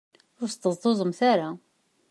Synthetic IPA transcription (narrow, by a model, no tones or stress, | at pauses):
ʊɾst̪ːəzˤt̪ˤozˤəmθaɾa